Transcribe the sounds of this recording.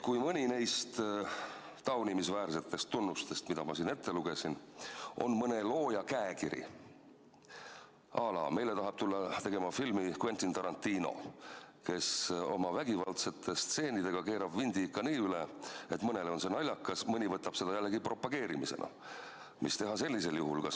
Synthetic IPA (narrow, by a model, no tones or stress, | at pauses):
kujmɤnʲinejst̪ | t̪ɑwnimisvæːrse̞t̪ːˑe̞st̪ːunːust̪e̞st̪mid̪̥ɑmɑsiːne̞t̪ːe̞luɡ̥e̞sino̞̰nmɤne̞lo̞ːjɑkæekiɾḭ | ʔɑːlɑ̰me̞jle̞t̪ɑɦɑb̥t̪ulːɑt̪e̞ɡe̞mɑfilmikwe̞nt̪int̪ɑɾɑnt̪ˑːiːno̞̰ke̞so̞̰mɑvæɡivɑlt̪se̞t̪ʰːe̞st̪se̞ːnid̪e̞ɡ̥ɑke̞ːɾɑbvind̪iikːɑniːyleet̪mɤne̞lo̞nsenɑlʲːɑkːˑɑsmɤnʲivɤt̪ːɑb̥se̞d̪̥ɑjælːeɡipro̞pːˑɑɡ̥e̞ːɾimise̞̰nʔɑ̰ | mist̪e̞ɦɑse̞lʲːise̞ljuɦulkɑ